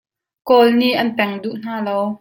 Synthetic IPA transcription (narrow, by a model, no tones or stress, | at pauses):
kɔːlniʔɐnpɛŋduʔn̥aːlow